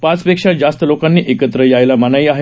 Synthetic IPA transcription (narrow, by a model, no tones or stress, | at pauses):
pat͡spekʂad͡zast̪əlokanːiːʔekət̪ɾəjajlamanaiaɦe